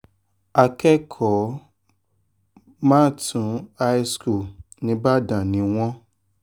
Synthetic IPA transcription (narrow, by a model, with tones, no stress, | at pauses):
a˧kɛ˦kʰɔ˨˦ | mãː˦˨tʰũ˨˦a˦i˦sku˦˨ | nĩ˦ba˦dã˨nĩ˨˦w̃ɔ̃˦